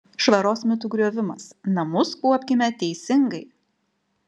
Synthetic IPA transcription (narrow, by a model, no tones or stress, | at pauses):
ʃʋɐɾoːsmʲɪt̪ʊɡɾʲuɔʋʲɪmɐsnɐmʊskuɔpʲkʲɪmʲɛt̪ʲɛɪsʲɪŋɡɐɪ